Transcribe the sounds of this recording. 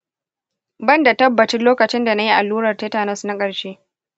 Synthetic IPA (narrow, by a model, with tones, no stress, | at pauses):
bɐ˦nda˨tɐ˦bːɐ˨t͡ʃɪ˦loː˦kɐ˨t͡ʃɪ˦nda˨na˦ji˦ʔa˨lːuː˦ɽɐ˨rteː˦taː˨nɐ˦sna˦kʼɐ˨ɽʃeː˦